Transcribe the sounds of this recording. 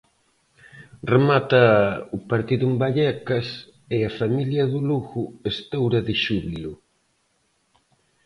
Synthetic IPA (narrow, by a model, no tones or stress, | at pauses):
remat̪ɐʊpaɾt̪iðumbaʎɛkɐs | eɐfamiljɐðʊluɣʊest̪owɾɐðɪʃuβilʊ